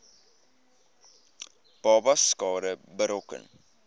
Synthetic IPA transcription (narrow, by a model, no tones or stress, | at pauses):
b̥ɑːbɐskɑːɾəbəɾɔkə̰n